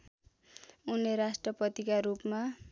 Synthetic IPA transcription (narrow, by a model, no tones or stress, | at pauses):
uneɾasʈrʌpʌt̪ikaɾupma